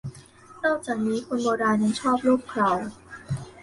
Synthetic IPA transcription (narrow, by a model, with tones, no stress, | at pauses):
nɔː˥˩k̚t͡ɕaː˨˩k̚niː˦˥kʰu˧nbɔː˧ɾaː˧nja˧ŋt͡ɕʰɔː˥˩p̚luː˥˩p̚kʰɾa˨˩w